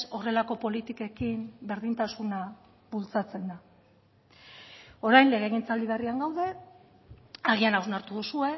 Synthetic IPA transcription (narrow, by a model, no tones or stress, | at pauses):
so̞re̞lako̞po̞lit̪ike̞kimbe̞ɾðint̪asuna | βult͡sat͡se̞nd̪a | o̞ɾajnle̞ɣe̞ɣint͡sald̪iβ̞eriaŋɡawðe̞ | aɣianawznaɾt̪uðusue̞